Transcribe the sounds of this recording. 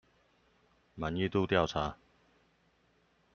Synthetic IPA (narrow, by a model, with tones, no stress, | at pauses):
ma˨˦ni˥˧t̪u˥˧t̪ja˥˨ʊt͡sʰaː˨˥